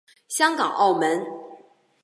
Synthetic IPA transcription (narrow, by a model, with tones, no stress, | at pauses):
ɕjɑ˥ŋkɑ˨˩ŋʔɑ˥˩ʊmə˧˦n